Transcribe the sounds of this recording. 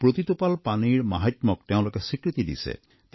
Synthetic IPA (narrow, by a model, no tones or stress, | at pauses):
pɾot̪it̪upalpaniɾmaɦit̪mok̚t̪ɛõw̃lokesikɾit̪id̪ḭsʰḛ | t̪